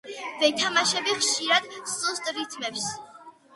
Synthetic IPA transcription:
vɛt̪ʰamaʃɛbiχʃiɾad̪sust̪ʼɾit̪ʰmɛps

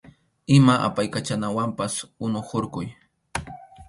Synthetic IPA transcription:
ɪmaʔa̰pajkat͡ʃanawampasʊnʊχoɾkʊj

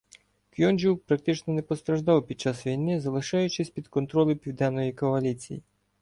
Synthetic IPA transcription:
kʲjɔnʲd͡ʒuwpɾɐkt̪ɪt͡ʃnɔnɛpɔst̪ɾɐʒd̪ɑwpʲid̪̚t͡ʃɑsʋʲijnɪzɐlˠɪʃɑjʊt͡ʃɪsʲpʲid̪kɔnt̪ɾɔlʲˠɪpʲiwd̪ɛnːɔjikɔɐlʲit͡sʲḭji

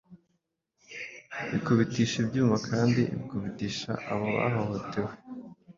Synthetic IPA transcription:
βikuβitiːʃibjɟuːmvakʰaːndiβikuβitiːʃa̰ʔaβoβa̰ɦohotʰe̞we

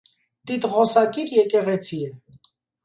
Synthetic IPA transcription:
t̪it̪ʁɔsɑkiɾjɛkɛʁɛt͡sʰiɛ

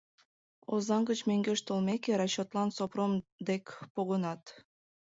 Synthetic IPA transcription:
ozɑŋɡət͡ɕmeŋɡeʃt̪olmekeɾɑɕːot̪lɑnsopromd̪ekpoɣənɑt̪

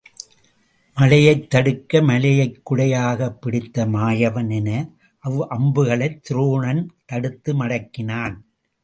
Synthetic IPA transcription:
mɐlɐjɐɪt̪ːɐɽɯkːɐmɐlɐjɐɪkːʊɽɐjaːɣɐpːɪɽɪt̪ːɐmaːjɐʋɐnɪnɐ | ʔɐʋɯʔɐmbɯɣɐɭɐɪt̪ːɪɾuːɳɐnt̪ɐɽɯt̪ːɯmɐɽɐkːɪnaːn

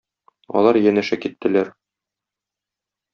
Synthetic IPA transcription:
ɒ̰lˠɑɾjænæʃækit̪ːɘ̆læɾ

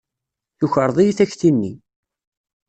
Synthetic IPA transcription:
juçəɾˤðˤijiθæçθinːḭ

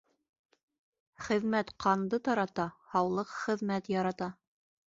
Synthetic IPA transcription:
χɘ̆ðmæt̪qʰɑnd̪ɤt̪ɑɾɑt̪ɑhɑwlˠɤqχɘ̆ðmæt̪jɑɾɑt̪ɑ

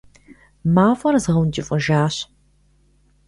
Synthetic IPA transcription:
maːfʼɐrzʁɐwnd͡ʒʼɪfʼɨʒaːɕ

